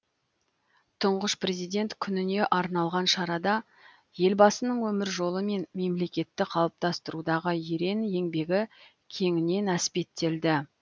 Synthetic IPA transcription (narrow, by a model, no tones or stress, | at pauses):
t̪ʰʊɴʁəʃpre̞zijd̪ʲe̞nt̪kʲʰʏnɪne̞ʔɑɾnɑlˠʁɑnʃɑɾɑd̪ɑ | je̞lbɑsənəɴwɵmɪɾʒo̞lˠəme̞nme̞mle̞kʲe̞t̪ːɪqʰɑlˠəp̚t̪ɑst̪əɾud̪ɑʁəjeɾe̞nje̞ŋbe̞ɡʲɪ | kʲʰe̞ŋɪne̞næspe̞t̪ːe̞ld̪ɪ